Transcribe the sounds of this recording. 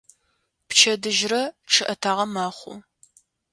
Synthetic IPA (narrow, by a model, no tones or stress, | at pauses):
pt͡ʃʰɐdɨʒrɐʈ͡ʂʰɨʔɐtʰaːʁɐmaːχʷʊ̰